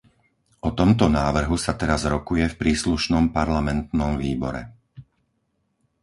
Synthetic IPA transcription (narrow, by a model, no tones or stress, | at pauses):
ʔɔt̪ɔmt̪ɔnaːʋr̩ɦusat̪ɛɾazɾɔkujɛfpɾiːsluʃnɔmpaɾlamɛnt̪nɔmviːbɔ̰ɾɛ̰